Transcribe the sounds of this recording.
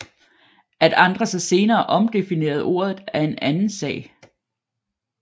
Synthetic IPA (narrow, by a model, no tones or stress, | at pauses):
ʔæd̥ɑ̈nd̥ʁɐsɑse̝ːnɐːʔɒ̽md̥e̝fine̝̰ːɐð̞̩ˠo̝̰ːɐð̩ˠæɐe̝nʔænn̩sɛ̰ː